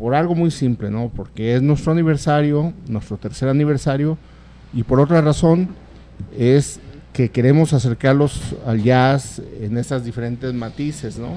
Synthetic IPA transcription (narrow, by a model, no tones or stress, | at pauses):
po̞ɾalɣo̞mujsimple̞no̞po̞ɾke̞eznwe̞st̪ɾoaniβ̞e̞ɾsaɾjo̞nwe̞st̪ɾo̞t̪e̞ɾse̞ɾaniβ̞e̞ɾsaɾjo̞ | ipo̞ɾo̞t̪ɾaraso̞n | e̞ske̞ke̞ɾe̞mo̞sas̬e̞ɾkaɾlo̞sa̰lʝasḛne̞sazðife̞ɾe̞nt̪e̞zmat̪ise̞zno̞̰